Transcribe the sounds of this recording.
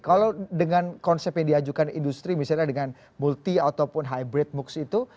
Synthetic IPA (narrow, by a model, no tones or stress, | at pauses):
kaladəŋankɔnsɛpjaŋdiad͡ʒukanḭndust̪ɾimisalɲadəŋan | mult̪iat̪awpʊnɦajbɾɪt̪̚muksit̪u